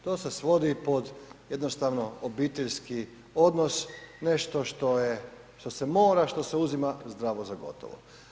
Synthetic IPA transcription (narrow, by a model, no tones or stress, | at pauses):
t̪o̞ːsesʋo̞d̪ipod̪jed̪nost̪aʋnoobiːt̪eʎski | od̪nosneʃt̪oʃt̪o̞je | ʃt̪o̞semo̞ːɾaʃt̪oseuzimazd̪ɾaːʋozaɡo̞̰t̪o̰ʋo̰